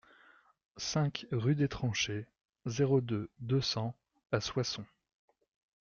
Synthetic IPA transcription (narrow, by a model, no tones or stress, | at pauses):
sɛ̃kʁyd̪et̪χɑ̃ʃe | zeʁod̪ød̪əsɑ̃ | aswasɔ̃